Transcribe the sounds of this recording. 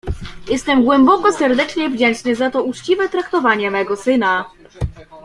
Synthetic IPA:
jɛst̪ɛmɡwɛmbɔkɔsɛɾd̪ɛt͡ʂɲɛvd͡ʑɛnt͡ʂnɘzat̪ɔut͡ʂt͡ɕivɛt̪ɾakt̪ɔvaɲɛmɛɡɔsɘna

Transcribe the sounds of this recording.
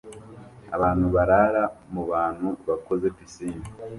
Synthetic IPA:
a̰βaːnhuβaɾaɾamuβaːn̥huβako̞zepisiːni

